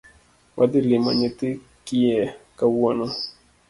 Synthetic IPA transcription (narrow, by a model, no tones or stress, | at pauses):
wʔad̪ɪlɪmɔ̰ɲɪt̪ɪ | kɪɛkawɔnɔ